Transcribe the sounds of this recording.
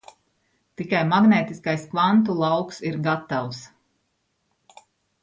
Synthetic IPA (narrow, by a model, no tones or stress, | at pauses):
t̪ikajmaɡneːt̪iskajskvant̪̬ulˠawksiɾɡat̪aws